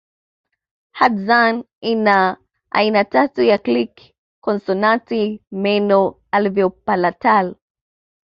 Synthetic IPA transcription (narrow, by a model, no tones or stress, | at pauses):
hadzan | ina | ʔa̰inatatujaklikː | ɔnsɔnatimɛnɔ | alvjɔpalatal